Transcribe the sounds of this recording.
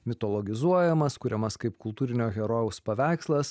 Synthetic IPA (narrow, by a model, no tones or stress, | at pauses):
mʲɪt̪ɔlˠɔɡʲɪzuɔjɛmɐskʊɾʲɛmɐskɐɪpkʊlˠt̪uːɾʲɪnʲoːɣʲɛɾoːjʊspɐʋʲæˑɪkslˠɐs